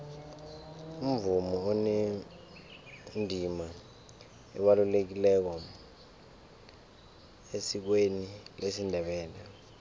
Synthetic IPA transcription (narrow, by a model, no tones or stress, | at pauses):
um̩vumɔɔne | ndʱima | ɛ̰ɓalulek̬ilɛk̬ɔ | esik̬wenilesindʱɛɓɛːlɛ